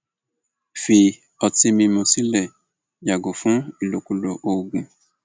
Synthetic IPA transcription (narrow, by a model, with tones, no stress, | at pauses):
fi˧ | ɔ˧ti˦mĩ˧mõ˧si˦lɛ˦˨ | ja˨ɡo˨fũ˦i˨lo˨ku˧lo˧ʔo˧ɡũ˧